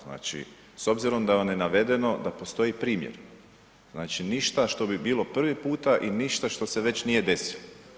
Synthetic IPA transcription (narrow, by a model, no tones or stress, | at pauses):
zna̰ːt͡ʃḭ | so̞bziɾo̞md̪aʋamjenaʋe̞d̪e̞no̞d̪apo̞st̪o̞jipɾiːmjḛɾ | znaːt͡ʃiniʃt̪aʃt̪o̞bibiːlo̞pr̩ʋipuːt̪aʔiniʃt̪aʃt̪o̞se̞ʋe̞t͡ɕnije̞d̪e̞silo